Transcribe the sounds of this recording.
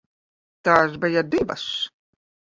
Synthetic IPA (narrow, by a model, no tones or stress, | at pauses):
t̪aːs̬bɛjad̪iva̰s